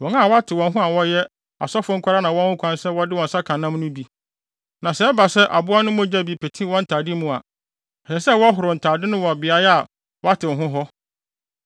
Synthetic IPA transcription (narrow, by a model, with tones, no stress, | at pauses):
wɔ̃˨ŋa˦˨wɔ˦a˦tʰɪ˨wɔ̃˨nɦʊ̃˦a˨wɔ˦jɛ˦ | a̰˨sɔ˦fʊ˦ŋ̩˦kʰʷa˦ɾa˦nã˨wɔ̃˦hʊ̃˦kʰʷã˦nsɛ˦wɔ˦dɪ˦wɔ̃˨n̩˨sa˦kʰã˨nã˦mnʊ̃˦bi˨ | nã˨sɛ˨ɛ˦ba˨sɛ˦ʔa̰˨bʊ˦a˦nʊ̃˦mɔ̃˦d͡ʑa˦bi˨pʰe˨tʰĩ˦wɔ̃˦n̩˨tʰaː˨dɪ˦mũ˦˨a̰˨ | a˨ɕɛ˨sɛ˦wɔ˦ɦʊ˨ɾʊ˨n̩˨tʰaː˨dɪ˦nʊ̃˦wɔ˨bɪ˨a˦jɛ˦a˨ | wɔ˦a˦tʰɪ˨n̩˨ɦʊ̃˦ɦɔ˦